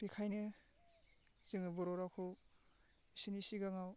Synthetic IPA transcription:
pekʰajnɯ | zɯŋɯbɔɾɔɾakʰo | isinisiɡaŋaw

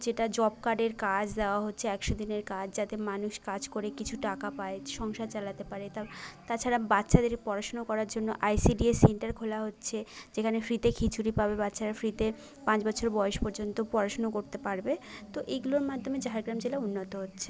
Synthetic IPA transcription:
d͡ʑeʈad͡ʑɔb̚kaɖeɾkad͡ʑd̪eoaɦotːɕʰeɛkʃod̪ineɾkad͡ʑʰd͡ʑat̪emanuʃkad͡ʑkoɾekit͡ɕʰuʈakapaeʃɔŋʃat͡ɕalat̪epaɾet̪ɔbet̪at͡ɕʰaɾabatːɕʰad̪eɾepɔɾaʃonokɔɾaɾd͡ʑonːo̰ʔajsiɖieseɳʈaɾkʰolaɦotːɕʰed͡ʑekʰanefɾit̪ekʰit͡ɕʰuɾipabebatːɕʰaɾafɾit̪e | pãt͡ɕbɔt͡ɕʰoɾbɔeeʃpoɾd͡ʑont̪opɔɾaʃonokoɾt̪epaɾbet̪oʔeɡuloɾmad̪ʱːomed͡ʑaɦeɾɡɾamd͡ʑelaunːot̪oɦotːɕʰe̥

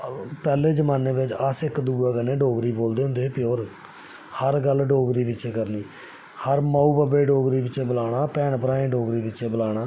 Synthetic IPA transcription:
pɛːleːd͡ʒəmaːneːbɪt͡ʃəsɪkd̪uːaːkənẽːɖoːɡɾiːboːld̪eːɦʊ̃nd̪eːpɪoːɾ | həɾɡəlɖoːɡɾiːpɪtːʃʰeːkəɾniː | həɾmaːuːbabeːɖoːɡɾiːpɪt͡ʃeːbəlaːɽaːpɛːnpəɾaːẽːɖoːɡɾiːpɪːʃeːbəlaːɽ̃aː

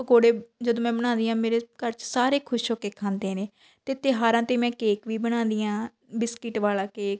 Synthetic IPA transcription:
ɡoːɽeːd͡ʒəd̪õːmɛ̃ːbəɽ̃ãːnd̪iːãːmeːɾeːkəɾt͡ʃsaːɾeːkʰʊʃɦoːkeːkʰãːnd̪eːneː | t̪eːt̪eɦaːɾãːt̪eːmɛ̃ːkeːkʋiːbəɽ̃ãːnd̪iːãː | bɪskɪʈʋaːlaːkeːk

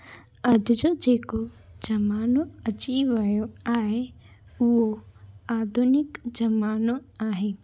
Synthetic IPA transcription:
ɐd̪d͡ʒod͡ʒeːko | d͡ʒɐmaːnoɐt͡ʃiʋɐjoaːɦe | ʊɦoaːd̪ʱʊnɪkd͡ʒɐmaːnoaːɦeː

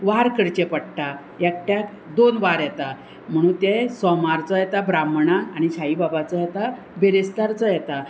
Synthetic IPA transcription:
ʋaɾkəɾt͡ɕepəɽʈ̪a | jɛkʈjak | d̪onʋaɾjɛt̪a | m̤əɽ̃uːnt̪ɛ̃sɔmaɾt͡sɔjɛt̪abɾamɳaːɽ̃iɕʰaibabat͡sɔjɛt̪a | bʱeɾest̪aɾt͡sɔjɛt̪a

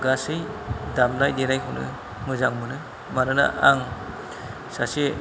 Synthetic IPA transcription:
ɡasɯjdamnajdenajkʰɯwnɯ̰ | mɯzaŋmɯnɯ | maɾɯna̰ʔaŋ | sase

